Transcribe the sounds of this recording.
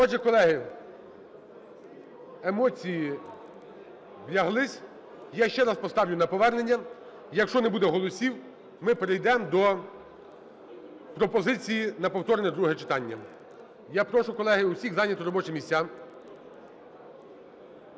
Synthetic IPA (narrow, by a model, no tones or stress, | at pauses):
bɔt͡ʃikɔlˠɛɦɪ | emɔt͡sʲiji | bjʲɐɦlˠɪsʲ | jaʃt͡ʃɛɾɑspɔst̪ɑwlʲʊnɐpɔʋɛrnenʲːɐ | jɐkʃt͡ʃɔnɛbud̪ɛɦɔlˠɔsʲiw | mɪpeɾejd̪ɛmd̪ɔ | pɾɔpɔzɪt͡sʲijinɐpɔwt̪ɔɾnʲɛd̪ɾuɦɛt͡ʃɪ̥t̪ɑnʲːɐ̰ | japɾɔʃʊkɔlˠɛɦɪusʲiɣzɑnʲɐt̪ʊɾɔbɔt͡ʃɛmʲisʲtʲa